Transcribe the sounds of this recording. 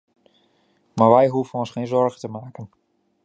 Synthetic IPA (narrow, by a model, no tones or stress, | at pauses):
maɹʋɛjɦuvənɔnsχeːjnzɔɹχətəmaːkən